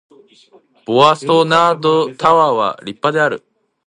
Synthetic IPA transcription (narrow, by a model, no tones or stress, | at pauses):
b̥oasonaːd̪ot̪aβaːβa̰ɾʲipːad̪e̞aɾɯ̟